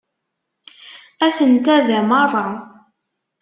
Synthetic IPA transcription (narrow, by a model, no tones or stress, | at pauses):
æθənt̪æðæmɑrˤːɑ